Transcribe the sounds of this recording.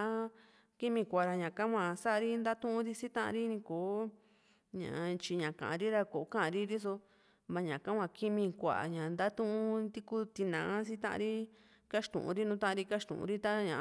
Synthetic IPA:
ki˦mĩ˧kʷa˨ɾa˧ɲã˨kã˦kʷã˧sa˦ʔɾi˦nd̪a˦t̪ũ˦ʔũ˦ɾi˦si˦t̪ã˦ʔã̰˧ɾi˦nĩ˧koː˨˦ | ɲã̰˨˧t͡ʃi˧ɲã˨kã̰˨ã˧ɾi˦ɾa˧ko˨˦kã˦ã˧ɾi˦ɾi˦s̬o˧ | βa˧ɲã˨kã˦kʷã˧ki˦mĩ˧kʷa̰˨ɲã˨nd̪a˦t̪ũ˦ʔũ˦t̪i˦ku˦t̪i˧nã˨˦s̬i˦t̪ã˦ʔã̰˧ɾi˦ | ka˦ʃt̪ṵ̃˨ʔṵ̃˧ɾi˦nũ˧˦t̪ã˦ʔã˧ɾi˧ka˦ʃt̪ṵ̃˨ṵ̃˧ɾi˦t̪a˦ɲã˨

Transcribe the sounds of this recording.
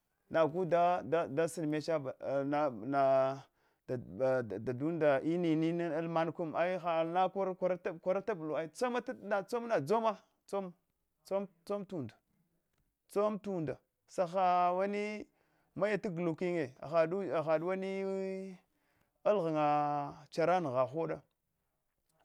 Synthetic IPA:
na˨ɡu˦da˦da˦da˦si˨n˨me˦t͡ʃa˦ba˨a˨na˨ | da˨da˨du˦nda˨ʔi˦ni˨ni˦ni˦a˦lma˦n˦ku˦ma˦i˦xa˨lna˦ka˦ɾkʷa˦ɾa˦a˦kʷa˦ɾa˦ta˦bu˨lu˨a˦i˦t͡so˦ma˦tna˨t͡so˦mna˨d͡zo˦ma˦ | t͡so˦m | t͡so˦mt͡so˦mtu˨ndḁ˨ | t͡so˦mtu˨nda˨ | sa˨xa˨wa˦ni˦ | ma˦ja˨ta˦ɡlu˨ki˦ŋe˨a̰˨xa˨du˦a˨xa˨ɗwa˦ni˦ | a˦lɣa˨ŋa˨t͡ʃa˨ɾa˦n˨ɣa˨xo˦ɗa˦

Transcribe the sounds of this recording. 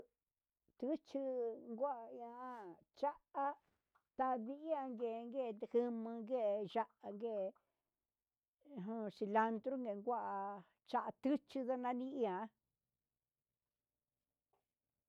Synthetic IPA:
t̪ɨ˦t͡ʃɨ˧ŋɡʷa˦ʔa˧a˦ | t͡ʃa˦a˦ | t̪a˧βi˧ʔi˦a˧ŋɡe˨˧ŋɡe˦˨˧hɨ˧mɨ̃˧ŋɡe˦˨ʒa˦˧ʔa˧ŋɡe˦˨˧ | ɦũ˧si˧la˧nd̪ɾu˦ŋɡe˨˧ŋɡʷa˦ʔa˧ | t͡ʃa˦ʔa˧t̪ɨ˦t͡ʃi˧ða˦˧nã˧˦nĩ˦i˦ã˨˧

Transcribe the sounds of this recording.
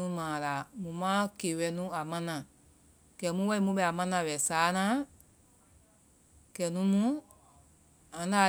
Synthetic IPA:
ũ˦mãː˨la˨mũ˨mã˦keː˨wɛ˧˦nũ˦a˨mã˦nã˨ | kɛ˨mũ˦wɛ˦i˦˧mũ˧˦ɓɛ˧˨a˨mã˧˦nã˧˨wɛ˨saː˨˦nã˨˦ | kɛ˨nũ˨˦mũ˦ | ã˨˦da˨

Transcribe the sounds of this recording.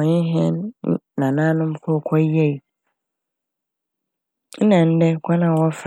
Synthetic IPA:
ɲɪ̃˦ɦɛ̰̃˦n˦˨nã˨nãː˦nʊ̃˦m̩˦kʰɔ˦˨kʰɔ˦ɛ˦˨i˨ | n̩˦nã˨n̩˦dɛ˦kʰɔ˦nã˨wɔ˦f

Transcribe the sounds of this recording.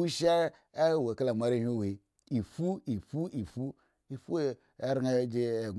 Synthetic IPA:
u˦ʃe˦˨ | we˨ka˦la˨m˨a˨ɾi˦˨hu˦˨wi˨ | i˨fu˦i˨fu˦i˨fu˦ | i˨fu˦ | e˦ɾi˦a˦d͡ʒe˦˨ɡ

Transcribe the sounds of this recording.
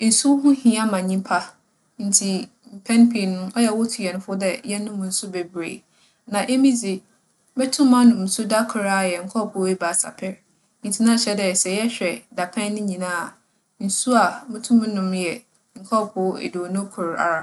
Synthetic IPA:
n̩˨su˦wɦʊ̃˦hĩ˨˦a˦mã˨ɲĩ˦mpʰa˦ | n̩˨tʰi˨ | m̩˨pʰɛ̃˦npʰi˨nʊ̃˦ɔ˦jɛ˨wʊ˦tʰu˨jɛ˨nʊ̃˦fʊ˦dɛ˨jɛ˦nʊ̃˦mʊ̃˨n̩˨˦sʊ˦be˨bɾḛ˨ | nã˨ʔe˦mĩ˦d͡zɪ˨ | bɛ˦tʰʊ̃˦mã˦nʊ̃˨m̩˨˦sʊ˦da˦kʰʊ˨ɾa˦˨jɛ˨ŋ̩˨kʰɔ˦˨pʰʊ˨˦e˦ba˨sa̰˨pʰɛ˦ɾ | n̩˨tʰi˨nã˦˨ɕɛ˦dɛ˨sɛ˨jɛ˦ɕᶣɛ˨da˨pʰɛ̃˦nnʊ̃˦ɲĩ˨nãː˦a˨ | n̩˨su˦a˨mʊ̃˦tʰũ˦mũ˦nʊ̃˦mjɛ˨ | ŋ̩˨kʰɔ˦˨pʰʊ˨˦ḛ˨do˨nʊ̃˦kʰʊ˨ɾa̰˨ɾa˨

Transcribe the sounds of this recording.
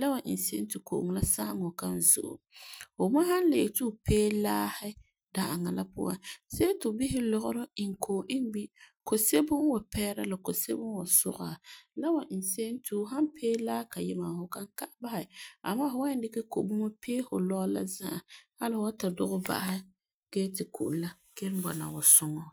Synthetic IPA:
la˦wa˨ʔɪ̰˨n˨se˦n˦tɪ˨ko̰˨ʔŋ˨la˦sa˦ŋɔ˨ka˦n˦zʊ̰˨ʔʊ̰˨fʊ˨ma˦ha˦n˦le˨tu˦˨pʰeː˦laː˦hɪ˦ | da˨ʔa˨ŋa˨la˦pʊ̰˦wa̰˨nse˦e˦tʊ˨bi˦hɪ˦lɔ˦ɣʊ˦ɾʊ˦ɪ˨ŋ˨kʰo˨ʔɪ˦n˦bi˦ko˨se˦bʊ˦ŋ˦wa˨pɛː˦ɾa̰˦la˨ko˨se˦bʊ˦wa˨sʊ̰˦ɣa˨la˦wa˨ʔi˨se˦n˦tu˦ɦa˦mpʰeː˦laː˦hka˨jɪ˦ma˨hʊ˨kã˦ŋka˦ʔba˦hɪ˨a̰˨maː˦fʊ˨wa˦dɪ˦kɛ˦ko̰˨bʊ˦mɔ˦pʰeː˦fʊ˨lɔ˦la̰˦zã˦ʔha˦lɪ˦hʊ˨˦wa˦ta˨dʊ˦ɣʊ˦ba̰˦˨˦hɪ˦ | ɡ̥ɛ˦tɪ˨kʰṵ˨ʔla˦ | kɛ˦ɾbɔ̰˨na̰˨wa˨sʊ˦ŋɔ˨

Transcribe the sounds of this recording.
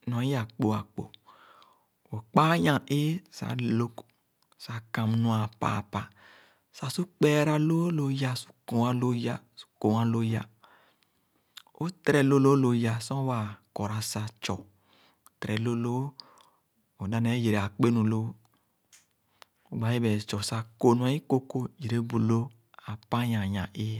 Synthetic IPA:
nɔ̃˨˦ja˨k͡po˨a˨k͡po̰˨ | wo˨k͡pa˦ɲã˨ʔe˦sa̰˨lo˦k | sa˨kã˨m˨nũ˦a˨pa̰ː˨pa˨ | sa˨su˦k͡pɛ˦ɾa˦lo˦lo˦ja˧su̥˦kõ˨a˦lo˦ja˨ | su̥˦ko˨ã˦lo˦ja˨ | o˦t̪ɾɛ˨lo˦lo˦lo˨ja˦sɔ̃˦wa˨kɔ˨ɾa˨sa˨t͡ʃɔ˨ | tɾɛ˨lo˦lo˦ | o˨da˦nɛ˨˦ji˨ɾe˨a˨k͡pe˦nũ˨lo˦ | o˨ɡ͡ba˨˦je˦bɛ˨t͡ʃɔ˨sa˦ko˨nu˨a˨˦i˦ko˦ko˦ji˨ɾe˦bu˨lo˦ | a˨pa˦jã˨ɲã˨ʔe˦

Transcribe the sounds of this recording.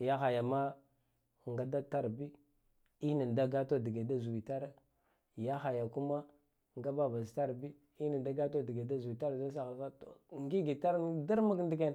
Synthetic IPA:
ja˦xa˨ja˨ma˦ | ŋɡa˦da˦ta˦ɾbi˦ | i˦na˨n˨da˦ɡa˦to˦˨di˨ɡe˨da˦zu˨wi˨ta˦ɾa˦ | ja˦xa˨ja˨ku˦ma˦ | ŋɡa˦ba˦ba˨zta˦ɾbi˦ | i˦na˨nda˦ɡa˦to˦di˨ɡe˨da˦zu˨wi˨ta˦ɾza˦s̬a˨ɣa˨sa˦to˨ŋɡi˦ɡi˨ta˦ɾda˦ɾma˦kndi˨ke˦˨n˨

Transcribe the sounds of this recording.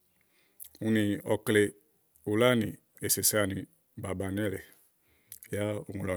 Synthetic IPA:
u˧nĩ˨ɔ˨kle˨ | u˨la˦nĩ˨ | e˨se˨sa˦nĩ˨ | ba˨ba˨nɛ˦˨le˨ | ja˦u˨ŋũ˨lɔ˨

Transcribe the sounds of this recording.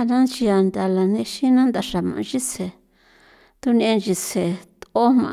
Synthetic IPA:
nã˦nt͡ʃi˧a˧nd̪a˧la˨nẽ˧ʃi˦nã˦nd̪a˧ʂa˨mã̰˨˧t͡ʃi˦se˨ | t̪u˧nĩ˧e˧nd͡ʒi˧se˨t̪o˦mmã̰˧

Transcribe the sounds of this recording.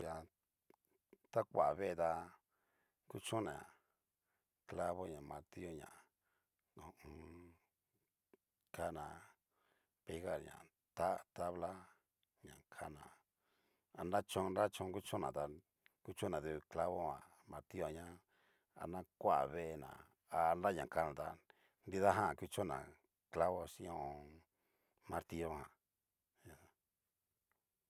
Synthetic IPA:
ja˧ | t̪a˦kʷa˨βe˦˧t̪a˧ | ku˦t͡ʃũ˦nã˨ | kla˦βo˦ɲã˨mã˧ɾt̪i˦o˦ɲã̰˨ | õ˧õ˧ | kʰa˦nã˨ | pe˧˦ɣa˦˨ɾɲã̰˨ | t̪a˦t̪a˦βla˦ | ɲã̰˨kʰa˧˦nã̰˧˨ | a˧nda˦t͡ʃõ˧nɾa˦t͡ʃõ˧˦ku˦t͡ʃõ˦nã˨t̪a˧ | ku˦t͡ʃõ˦nã˨ðu˧kla˦βo˦hã̰˨ | mã˧ɾt̪i˦o˧˨ɲã˦ | a̰˧nã˦kʷa˦˨βe˦˧e˧nã̰˨ | a˧nda˦ɲã̰˨ka˧nã˨t̪a̰˧ | nd̪i˧ða˦ɦã˦˨ku˧t͡ʃõ˦nã˨ | kla˦βo˧si˦õ˧õ˧ | mã˧ɾt̪i˧o˦hã˨ | ɲa˧˨

